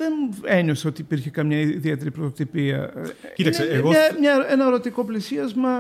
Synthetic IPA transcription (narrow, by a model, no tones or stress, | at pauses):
ðeneɲoseo̞t̪iːpiɾçekɐmɲɐiiðie̞t̪e̞ɾipɾot̪ot̪ipiɐ̰cit̪ɐksseeɣoɐmɲɐenɐɾo̞t̪iko̞plesiɐzmɐ